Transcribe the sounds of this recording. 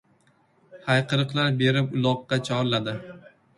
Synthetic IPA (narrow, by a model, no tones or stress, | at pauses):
hajqʰɨɾɨqlˠaɾbe̞ɾɪpʊlˠɒqːɑt͡ʃʰɒɾlad̪ɪ